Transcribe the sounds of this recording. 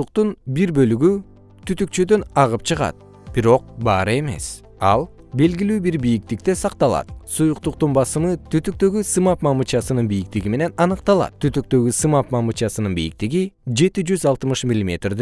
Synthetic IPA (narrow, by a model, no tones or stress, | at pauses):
uqt̪unbiɾbø̞lyɡy | t̪ʰyt̪yk̚t͡ʃød̪ø̞nɑʁɯp̚t͡ʃʰɯʁɑ̰t̪̚ | b̥iɾo̞q̚bɑ̰ːɾɯe̞me̞̰s | ɑ̰lˠ | be̞lɡilyːbiɾbijik̚t̪ik̚t̪e̞sɑqt̪ɑlˠɑ̰t̪sujuqt̪uq̚t̪unbɑsɯmɯt̪ʰyt̪yk̚t̪ø̞ɡysɯmɑpmɑmut͡ʃɑsɯnɯnbijik̚t̪iɡime̞ne̞nɑnɯqt̪ɑlˠɑ̰t̪t̪ʰːyt̪yk̚t̪ø̞ɡysɯmɑpmɑmut͡ʃɑsɯnɯnbijḭk̚t̪iɡid͡ʒe̞t̪id͡ʒyzɑlˠt̪ɯmɯʃmʲilʲimʲe̞t̪rd̪